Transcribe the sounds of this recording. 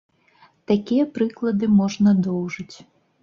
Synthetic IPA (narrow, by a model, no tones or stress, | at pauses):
t̪akʲijɛpɾɨklˠɐd̪ɨmɔʐnɐd̪ɔwʐɨt͡sʲ